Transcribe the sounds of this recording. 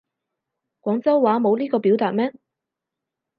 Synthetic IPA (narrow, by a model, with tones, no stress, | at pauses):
kʷɔː˨˥ŋt͡sɐ˥wwaː˨˥mo˨˧wliː˥kɔː˧pi˨˥wt̪aː˨t̚mɛː˥